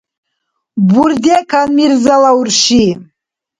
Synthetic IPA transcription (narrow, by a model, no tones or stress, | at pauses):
burd̪ekʰanmirzalaurʃi